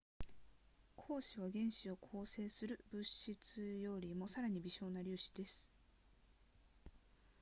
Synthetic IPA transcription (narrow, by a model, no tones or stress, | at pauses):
kʰo̞ːɕiβaɡẽ̞ɰ̃ɕio̞kʰo̞ːse̞ːsɨɾɯ̟bɯ̟ɕit͡sɨjo̞ɾʲimo̞saɾaɲ̟ibʲiɕo̞ːnaɾʲɨːɕi̥d̪̥e̞sɨ̥